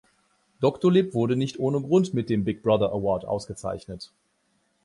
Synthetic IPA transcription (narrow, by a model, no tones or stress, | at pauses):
d̥ɔktolɪpv̥ʊɐɾənɪçtʔoːnəɡʁʊntmɪt̚d̥eːmbɪk̚b̥ʁaðɐʔəwɔɐtʔa̰ʊsɡ̥ət͡sa̰ɪçnət